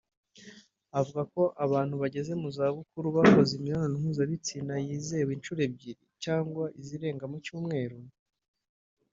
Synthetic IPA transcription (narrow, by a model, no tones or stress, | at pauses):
avuɡako̞ʔaβaːn̥huβaɟe̞ze̞muzaβukuɾuβako̞zimiɾononiŋ̥uzaβit͡sinajiːze̞wint͡ʃuːɾe̞b̚ɟiɾicaːŋɡwaʔiziɾe̞ːŋɡamucuːmŋe̞ːɾo